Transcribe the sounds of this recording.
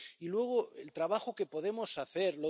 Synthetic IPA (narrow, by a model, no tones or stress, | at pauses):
ilwe̞ɣ̞oḛlt̪ɾaβaxo̞ke̞po̞ðe̞mo̞saθe̞ɾlo